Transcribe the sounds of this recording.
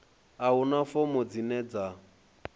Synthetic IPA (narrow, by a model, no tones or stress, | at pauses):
aʊnafɔmɔd͡zinɛd͡za